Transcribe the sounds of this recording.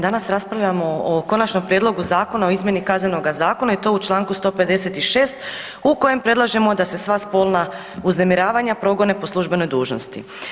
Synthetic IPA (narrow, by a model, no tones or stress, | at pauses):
d̪anasɾaspɾavʎamo̞oko̞nat͡ʃno̞mpɾje̞d̪lˠo̞ɡuzaːko̞naoizmjenikazneno̞ɡazaːko̞nait̪o̞ut͡ʃlˠaːŋkust̪o̞ːpe̞d̪e̞se̞t̪iʃe̞ːst̪ | uko̞je̞mpɾe̞d̪lˠaʒe̞mo̞d̪ase̞sʋaspo̞ːlˠna | uznemiɾaːʋaɲapɾo̞ɡo̞ne̞po̞slˠuʒbe̞no̞jd̪uːʒno̰st̪ḭ